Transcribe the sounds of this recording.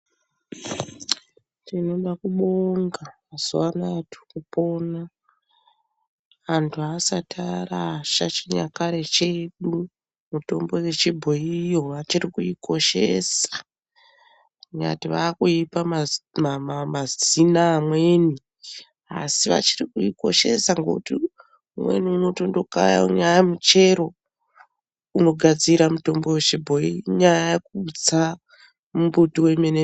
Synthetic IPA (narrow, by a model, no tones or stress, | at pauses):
tino̞ɗakuɓoŋɡamaz̥uwanatʰu̥kupo̞ːna | antʰuasatʰaɾaʃat͡ʃiɲa̰kaɾe̞t͡ʃe̞ɗu | muto̞̰mbo̞je̞t͡ʃibʱoijo̞ʋat͡ʃiɾikuiko̞ʃe̞̰sḁ | ɲa̰tiʋaːkuipamamamamazinaːmweni | a̰siʋa̰t͡ʃirikuiko̞̰ʃe̞saŋɡo̰kuti | umwe̞̰niuno̞to̞ndo̞ka̰ja̰ṵɲajamut͡ʃe̞ɾo̞ | uno̞ɡʱad͡ziɾamuto̞mbo̞we̞t͡ʃibʱo̞iɲajajek̚ut͡sa | mumbutiwe̞mene